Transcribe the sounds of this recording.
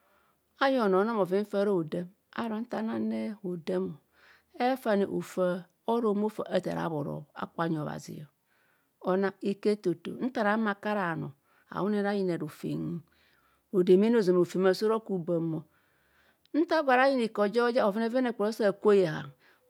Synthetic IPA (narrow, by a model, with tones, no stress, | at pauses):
a˦jo˨no˨˦na˦mo˨vi˦m̩˦fa˦ɾo˦o˨de˦m | a̰˦ɾo˨n̩˦ta˦na˦ne˦o˨de˦mo˨ | e˦fa˦nḛ˨ʔo̰˨fa˦ | o˦ɾo˨˦m˦o˦fa̰˨ʔa˨ta̰˨ɾa̰˨˦bo˨ɾo̰˨a̰˦k͡pa˨ɲ˨βa̰˨zḭ˨jo̰˨ | o˨na˦e˦ke˦to˨to̰˨˦n̩˦ta˨ɾa˨˦ma˨ka˦ɾa˨no̰˨ | a̰˨wu˦ne˦ɾa˦ji˨ne˨ɾo˨fḛ˨ŋ˦ | o˨de˨me˦n˦o˨zo˨m˨o˨fe˨ma˨so˦ɾo˦ku˨ba˨mo˨ | n̩˦ta˦va˨ɾa˦ji˦ni˨ko˨d͡ʒe˦o˦d͡ʒe˦o˨vi˦ne˦ve˦ne˨k͡po˨ɾo˦sa˦˨kʷo˦je˨ɦa̰˨